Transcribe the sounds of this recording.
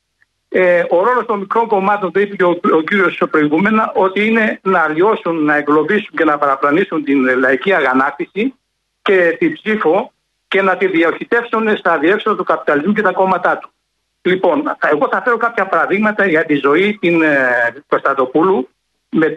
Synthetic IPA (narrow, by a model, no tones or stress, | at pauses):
eo̞ɾo̞lo̞st̪o̞nmikɾo̞ŋko̞mɐt̪o̞nðuipeceoociɾio̞spɾo̞iɣume̞nɐʔo̞t̪iine̞nɐlio̞sunːɐe̞ŋɡlo̞visuɲce̞nɐpɐɾɐplɐnisunt̪inlɐiciɐɣɐnɐkt̪isi | ce̞t̪ibsifo̞ | ce̞nɐt̪iðiɐoçit̪e̞fsunest̪ɐðie̞kso̞ðɐt̪ukɐpi̥t̪ɐlizmuce̞t̪ɐko̞mɐt̪ɐt̪u̥ | lipo̞ne̞ɣo̞θɐfe̞ɾo̞kɐpçɐpɐɾɐðiɣmɐt̪ɐʝɐt̪izo̞it̪inkost̪ɐt̪o̞pulu | me